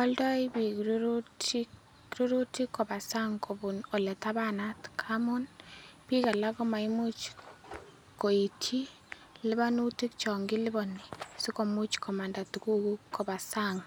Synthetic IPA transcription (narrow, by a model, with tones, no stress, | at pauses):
ɔ˦ldɔ˦i˦bi˨kɾu˦ɾuti | ɾu˦ɾu˦ti˦ko˨ba˨sa˦ŋko˨bu˨no˨lɛ˨ta˦βana˦tkʰamu˦npi˦ka˨la˦ko˦ma˨i˦mu˦t͡ʃ | ko˨i˨tʰi˦ | lɪ˦βa˦nu˦ti˦kt͡ʃɔ˨ŋɡiɪ˦lɪ˦bɔ˨nisu˦ko˨mu˦t͡ʃkʰɔ˨ma˨nda˨tu˨ku˦ku˦ko˨ba˨saŋ